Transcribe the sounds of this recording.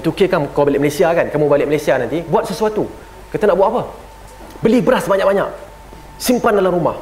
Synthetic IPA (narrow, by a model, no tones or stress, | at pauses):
t̪ukekankawabalɪʔməlasiakankamũbalɪʔməlajsianant̪ibuat̪̚səsuat̪u | kit̪anaʔbuat̪apə | bəlibəɾasbaɲak̚baɲa̰k̚ | simpandalamɾumah